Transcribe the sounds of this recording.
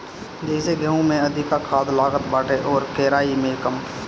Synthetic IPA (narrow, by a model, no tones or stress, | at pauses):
d͡ʒɛːseɡʱɛɦũmẽɐd̪ʱɪkakʰaːd̪laːɡət̪baːʈʰeʔɔːɾkɛːɾaːimẽkəm